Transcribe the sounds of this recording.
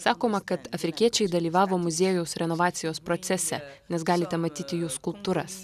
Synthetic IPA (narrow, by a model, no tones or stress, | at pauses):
sɑːkoːmɐkɐt̪ɐfʲɾʲɪkʲiɛt͡ʃʲɛɪd̪ɐlʲiːʋɑːʋoːmʊzʲeɛjʊʊsɾʲɛnoʋɑːt̪sʲɪjoːspɾɔt̪sʲɛsʲɛ̰nʲɛsɡɑːlʲɪt̪ʲɛmɐt̪ʲiːt̪ʲɪjuːskʊlˠp̚t̪uːɾɐs